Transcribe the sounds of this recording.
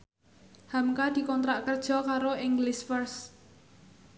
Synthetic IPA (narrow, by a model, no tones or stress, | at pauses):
hamkad̪̥i̤kɔnt̪ɾaʔkərd̥ʒ̥ɔ̤kaɾoɪŋɡlɪsfərs